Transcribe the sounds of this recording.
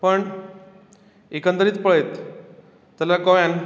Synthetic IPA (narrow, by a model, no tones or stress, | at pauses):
pəɳ | ikənd̪ɾiːt̪pəɭet̪ː | alakɔʋjan